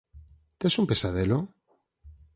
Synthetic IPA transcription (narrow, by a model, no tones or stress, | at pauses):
t̪esumpesaðelo